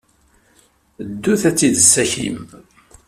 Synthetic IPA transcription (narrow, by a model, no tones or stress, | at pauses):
d̪ːuθæt͡sːiðəsːæçḭm